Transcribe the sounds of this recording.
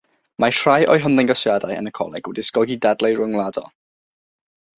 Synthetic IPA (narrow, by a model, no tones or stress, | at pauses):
matʰrajʔɔ̰jɦəmðɪŋɡasjadajə̰nəkʰɔ̰lˠɛ̰ɡ̥wɛdiskɔɡidadlˠejrʊŋlˠadɔ̰